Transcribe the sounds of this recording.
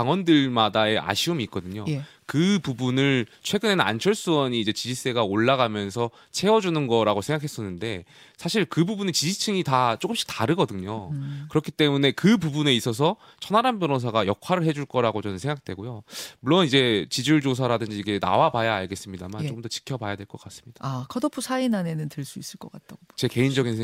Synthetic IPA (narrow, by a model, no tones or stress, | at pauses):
kaŋwʌndɯɭmadae̞ʔa̰ɕʰiɯmiːk͈̚ʌdɯɲo | kɯpubunɯɭt͡ɕʰwe̞ɡɯne̞nna̰nt͡ɕʰʌɭs͈uwʌɲiːd͡ʑe̞t͡ɕid͡ʑis͈e̞ɡaoɭːaɡamjʌns̬ʰʌ | t͡ɕʰe̞ʌd͡ʑunɯnɡʌɾaɡosʰe̞ŋɡakʰe̞s͈ʌnːɯnde̞ | sʰaɕʰiɭkɯbubunet͡ɕid͡ʑit͡ɕʰɯŋitat͡ɕ͈ok͈ɯmɕ͈ʰi̥k̚taɾɯɡʌdɯɲokɯɾʌkʰi̥t͈e̞mune̞kɯpubune̞is͈ʌs̬ʰʌ | t͡ɕʰʌnɦaɾambjʌɾos̬ʰaɡajʌkʰwaɾɯɭɦe̞d͡ʑuɭk͈ʌɾaɡot͡ɕʌnɯnsʰeŋɡak̚t͈we̞̰ɡojomuɭːonid͡ʑe̞t͡ɕid͡ʑuɭd͡ʑos̬ʰaɾadɯnd͡ʑiːɡe̞na̰wabajaaɭɡe̞s͈ɯmɲida̰mant͡ɕokɯmdʌt͡ɕi̥kʰjʌbajadwe̞ɭk͈ʌk͈as͈ɯ̥mɲid̥akʰʌdʌpʰusʰainane̞nɯntɯɭs͈uis͈ɯɭk͈ʌk͈at̚t͈aɡot͡ɕeke̞innd͡ʑʌɡinsʰe